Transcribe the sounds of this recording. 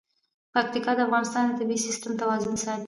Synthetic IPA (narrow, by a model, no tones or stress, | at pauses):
pak̚t̪ikɑd̪əafɣɑnɪst̪ɑnd̪ət̪ɪbisɪst̪əmt̪awɑzʊnsɑj̪